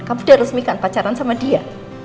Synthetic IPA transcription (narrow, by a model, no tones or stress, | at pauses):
kamud̥aɾʊsmikanpat͡ʃaɾansamadia